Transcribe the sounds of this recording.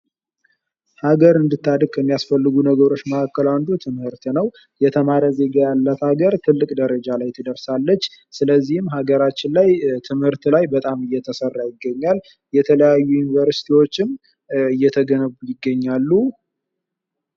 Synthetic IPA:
haɡəɾɨnd̪ɨt̪ːad̪ɨkkʰəmːijasfəlːɨɡunəɡəɾo̞t͡ʃːməkakːəland̪ut̪ʰɨmhɨɾt̪nəw | jɛt̪ʰəmaɾəze̞ɡajalːət̪haɡəɾt̪ʰɨlːɨkʼd̪əɾəd͡ʒalajt̪ʰəd̪əɾsalːət͡ʃː | sɨləzːihɨmɦaɡəɾat͡ʃːɪnlajt̪ʰɨmhɨɾt̪lajbət̪ʼamɨjːɛt̪ʰəsərːajɪɡːəɲːal | jɛt̪ʰələjajːujunivəɾsi̥t̪ʰiwo̞t͡ʃːɪm | ɨjːɛt̪ʰəɡənəβujɪɡːəɲːalːu

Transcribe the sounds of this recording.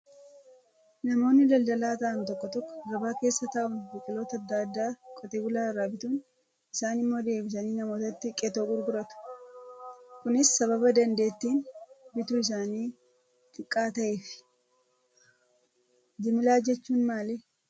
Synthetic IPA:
nɐmo̞ːnːɪlɐld̪ɐlaːt̪ɐʔɐnt̪ɔkːɔt̪ɔkːɔ̥ɾɐbaːke̞ːsːɐt̪ɐʔʊnbɪkʼɪlo̞ːt̪ɐːd̪ːaːd̪ːaːkʼɔt̪eːbʊlaːɪrːaːbɪt̪uːn | ʔɪsaːnɪmːo̞ːd̪e̞ːbɪs̬ɐniːnɐmo̞ːt̪ɐt̪ːɪkʼɛt̪o̞ːɡʊɾɡʊɾɐt̪ʊ̥ | kʊnɪsːɐβɐbɐd̪ɐnd̪e̞ːt̪ːiːnbɪt̪uːɪs̬aːniː | t̪ʼɪkʼːaːt̪ɐʔe̞ːfɪ̥ | d͡ʒɪmɪlaːd͡ʒɛt͡ʃːuːnmaːle

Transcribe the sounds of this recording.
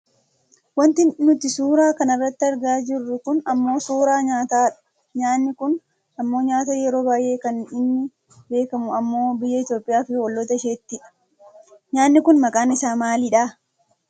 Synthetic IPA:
wɐnt̪ɪnːʊt̪ɪsuːɾaːkɐnɐrːɐt̪ːɪɐɾɡaːd͡ʒɪrːʊkʊnɐmːo̞ːsuːɾaːɲaːt̪aː | ɲaːnːɪkʊn | ɐmːo̞ːɲaːt̪aːjɛɾo̞ːbaːjʔe̞ːkɐnɪnːɪ | be̞ːkɐmʊɐmːo̞ːbɪjːɐɪt̪jo̞ːpʼɪjaːfɪwɔlːɔt̪ɐʃeːt̪ːɪᶑɐ̥ | ɲaːnːɪkʊnmɐkʼaːnɪsaːmaːlɪᶑaː

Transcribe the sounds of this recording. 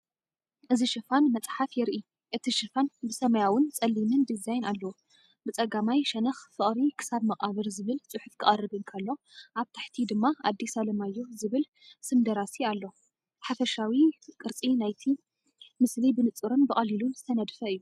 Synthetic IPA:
ʔɨziʃɨfanmɐt͡sʼħafjɛɾʔi | ʔɨt̪ʰiʃɨfanbɨsɐmɐjawʊnt͡sʼɐlːimɨnd̪izajnalːɐwu | bɨt͡sʼɐɡamajʃɐnɐxfɨχʼɾikʰɨ̥saβmɐχʼaβɨɾzɨβɨlt͡sʼɨħʊfkʰɨχʼɐrːɨbɨnkʰɐlːo̞ʔaβt̪ʰaħt̪ʰid̪ɨmːaad̪ːisalɐmajːuzɨβɨl | sɨmd̪ɐɾasialːo̞ | ħafɐʃawikʼɨɾt͡sʼinajt̪ʰi | mɨslibɨnɨt͡sʼɨɾɨnbɨχʼɐliluɨsʰɐnɐd̪fɐɨjːu

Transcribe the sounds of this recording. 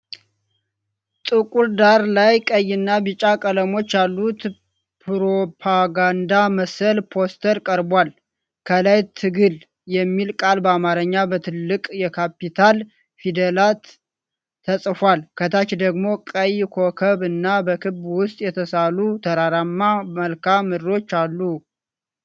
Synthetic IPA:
t̪ʼɨkʼuɾd̪aɾlajkʼəjːɨnːabɨt͡ʃʼakʼələmo̞t͡ʃːjalːut̪ | pʰɾopʰaɡand̪aməsəlpʰo̞st̪ʰəɾkʼəɾbwal | kʰəlajt̪ʰɨɡɨl | jɛmːilkʼalbəamaɾəɲːabət̪ʰɨlːɨkʼjɛkʰapit̪ʰal | fid̪əlat̪ | t̪ʰːəsʼfwalkʰət̪ʰat͡ʃd̪əɡmo̞kʼəjkʰo̞kʰəβɨnːabəkʰɨbwʊst̪ʼjɛt̪ʰəsalut̪ʰəɾaɾamːaməlkʰamːɨdo̞t͡ʃːalːu

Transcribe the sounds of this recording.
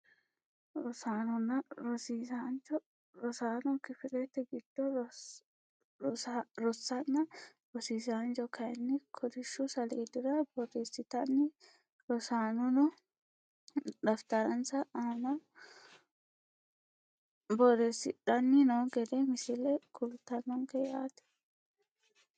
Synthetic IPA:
ɾɔsaːnɔnɐɾɔsiːsand͡ʒɔ | ɾɔsaːnɔkɪfɪlɛt̪ːɛɡɪd̪̥ːɔ | ɾɔsːɐnːɐ | ɾɔsiːsand͡ʒɔkɐjɛnːɪkʰɔd̪ɪʃːusɐleːd̪ɪɾɐbɔreːsːɪt̪ɐnːɪ | ɾɔsaːnɔnɔ | ᶑ̪ɐft̪ɐɾɐnsɐʔaːmɐ | bɔɾesɪᶑɐnːɪnoːɡɛd̪emɪsɪlɛkʊlt̪ːɐnːɔŋkɛjaːt̪ɛ̥

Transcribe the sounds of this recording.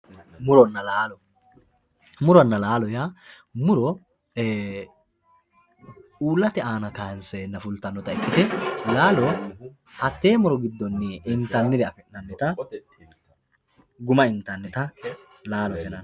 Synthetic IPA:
mʊɾɔnːɐlaːlɔ | mʊɾɔnːɐlaːlɔjaː | mʊɾɔː | uːlːɐt̪ɛaːnɐkaːnsenːɐfʊlt̪ɐnːɔt̪ɐɪkːɪt̪ɛlaːlɔ | hɐt̪ːe̞ːmʊɾɔɡɪd̪ːɔnːɪɪnt̪ɐnːɪd̪ɛɐfɛʔnɐnːɛt̪ɐ | ɡʊmɐɪnt̪ɐnːɛt̪ɐ | laːlɔt̪ɛnɐn

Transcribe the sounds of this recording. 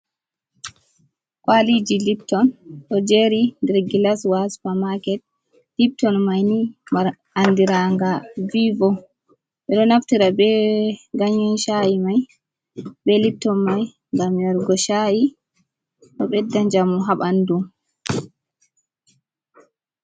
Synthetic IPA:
kwalid͡ʒilip̚tːɔnɗɔd͡ʒɛɾindɛɾɡilaswaspamakɛt̚ | lip̚tɔnmajnimaɾ | andiɾaŋɡavivɔ | ɓɛɗɔnaftiɾabɛɡaɲɔnʃajimaj | bɛlip̚tːɔnmaj | ŋɡamjɛɾɡɔʃaji | ɗɔɓɛdːand͡ʒamuɦaɓandum

